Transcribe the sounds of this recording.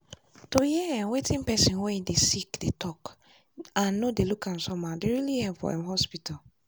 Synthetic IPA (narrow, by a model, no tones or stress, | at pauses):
tojɛɛ̃wetʰĩnpɛsĩnwɛ̃ĩdesikdetʰɔk | ãnːõdelukʰãn̩sɔmãdeɹilihɛ̃fɔ̰ɛ̰̃mhɔspitʰa